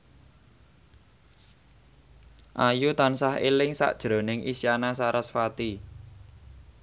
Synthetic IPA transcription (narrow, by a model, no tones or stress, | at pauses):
ʔajut̪ansaɦḛlɪŋsa̰ʔd̥ʒ̥ɾo̤nɪŋʔisianasaɾasfat̪i